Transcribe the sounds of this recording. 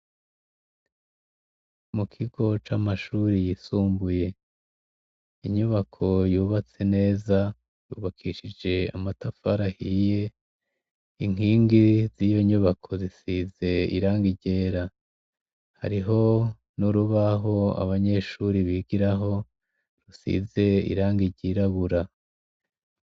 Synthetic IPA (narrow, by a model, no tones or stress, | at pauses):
mukʰiɡo̞t͡ʃamaʃuːɾijisuːmbuje̞ | iɲuβakʰo̞juːβat͡se̞ne̞ːza | juːβakʰiːʃid͡ʒe̞a̰matafaɾahiːje̞ | iŋ̥iːŋɡizijo̞ɲuβakʰo̞zisize̞ḭɾaːŋɡiɟe̞ːɾa | ha̰ɾiɦo̞ | nuɾuβaɦo̞a̰βaɲe̞ʃuːɾiβiːɡiɾaɦo̞ | ɾusḭze̞ḭɾaːŋɡiɟiɾaβuɾa